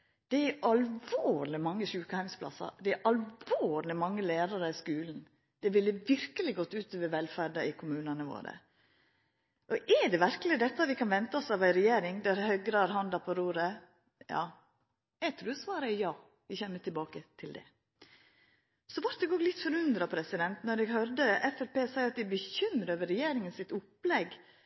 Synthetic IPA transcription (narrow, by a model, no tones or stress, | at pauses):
d̪̥ɛæɾɑlʋoːɾlɪmɑŋːəʃʉːkəhæɪmspʰlɑ̰sɑ̰d̪ɛæʔɑlʋoːɾlɪmɑŋːəleːɾɑɾəɪskʉːln̩ | d̪̥ɛʋɪlːəʋɪɾkəlɪɡɔt̪ːʉːt̪ʰoːʋəʋɛlfæɖɑɪkʰʊmʉːnənəʋo̰ːɾə̰ | ʔɔʔɛɖɛʋæɾkəlɪd̪ɛt̪ːɑʋɪkʰɑnʋɛnt̪ɑɔsɑʋæɪɾɛjeːɾɪŋd̪æɾhœɡɾɑɾhɑnd̪ɑpʰɔɾuːɾə | jɑ̰ː | æɪt̪ʰɾʉːsʋɑːɾəɛjɑː | ʋɪçɛnːəʈ̪ʰɪlbɑːkət̪ʰɪld̪ɛ̰ | sɔʋɑɾt̪̚d̪ɛɡoːlɪt̪ːfɔɾʉnd̪ɾɑpʰɾɛsɪd̪ɛnt̪nɔɖɛɡɦœɾd̪əʔɛfɛpeːsæɪɑt̪̚d̪ɪbəçʏmɾəøːʋəɾɛjeːɾɪŋənsɪt̪ʊpːlɛɡ